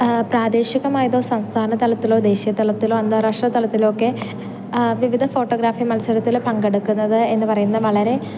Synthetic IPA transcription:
praːd̪eːɕiɣɐmaːjɐðo̞ːsɐmst̪ʰaːnɐt̪ɐlɐt̪ːilo̞ːd̪e̞ːɕijɐt̪ːɐlɐt̪ːilo̞ːɐnd̪aːɾaʂʈrɐt̪ːɐlɐt̪ːilokːe̞ | ʋiʋid̪ʱɐfo̞ːʈːo̞ːɡɾaːfimɐlsɐɾɐt̪ːilpɐŋɡeɽukːunːɐðɨe̞nːɨpɐrɐjunːɐʋɐɭɐɾe̞

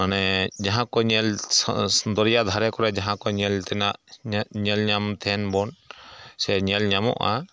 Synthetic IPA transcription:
manɛd͡ʒaɦãkɔɲɛlsd̪ɔɾijad̪ʱaɾɛkɔɾɛd͡ʒaɦãkɔɲɛlt̪ɛnaʔɲɛlɲamt̪ʰɛnbɔnsɛɲɛlɲamɔ̰ʔa̰

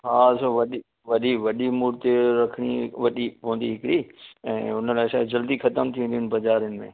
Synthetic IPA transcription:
ɦasoʋɐɗi | ʋɐɗiʋɐɗimuːɾt̪eɾɐkʰəɽ̃iʋɐɗipoʋə̃n̆d̪iɦɪkɪɾiɛ̰̃ːʊnəlaːɪʃaːed͡ʑɐld̪ixɐt̪əmt̪ʰiʋə̃nd̪iɪ̃n̆bɐzaːɾɪjənɪ̆mḛ̃ː

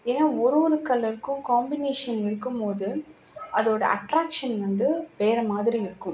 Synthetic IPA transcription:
eːnaːɔɾɯʋɔɾɯkɐlːɐɾɯkːʊ̃kaːmbɪneːʂɐnɪɾɯkːɯmpoːðɯ | ʔɐðoːɽɐ̰ʔɐ̰ʈɾaːkʂɐnʋɐnd̪ɯpeːɾɐmaːðɪɾiɪɾɯkːɯ̃m

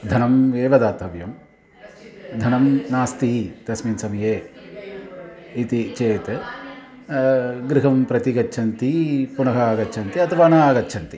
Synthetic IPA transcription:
d̪ʱɐnɐmeːʋɐd̪aːt̪ɐʋjɐm | d̪ʱɐnɐmnaːst̪iɦit̪ɐsminsɐmjeː | it̪it͡ʃeːt̪ | ɡɾiɦɐmpɾɐt̪iɡɐtːt͡ʃʰɐnt̪ipunɐɦɐːɡɐtːt͡ʃʰɐnt̪iɐt̪ʰɐʋaːnaːɡɐtːt͡ʃʰɐnt̪i

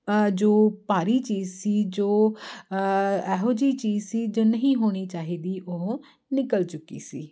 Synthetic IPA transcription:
d͡ʒoːpaːɾiːt͡ʃiːzsiːd͡ʒoː | ɛːɦoːd͡ʒiːt͡ʃiːzsiːd͡ʒoːnəɦĩːɦoːɽ̃iːt͡ʃaːɦiːd̪iːʔoɦ | nɪkəlt͡ʃʊkːḭːsiː

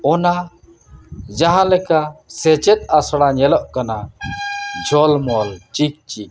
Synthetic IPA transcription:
ɔna | d͡ʒaɦãlɛkasɛt͡ʃɛt̪̚ˀasɽaɲɛlɔʔkana | d͡ʒʱɔlmɔlt͡ʃik̚t͡ʃiʔ

